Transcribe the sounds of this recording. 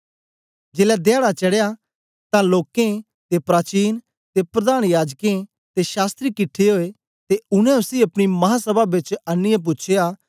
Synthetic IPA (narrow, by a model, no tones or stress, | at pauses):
d͡ʒeːlɛd̪jaːɽat͡ʃɐɽeja | t̪ãloːkẽ | t̪epɾaːt͡ʃiːn | t̪epɾɐd̪aːɽ̃jaːd͡ʒkẽ | t̪eʃaːst̪ɾikɪʈʰːeɦoːe | t̪eʊnɛ̃ʊsiːɐpɽ̃imɐɦãsəbabɪt͡ʃɐnːɪjãp̬ʊt͡ʃʰejaː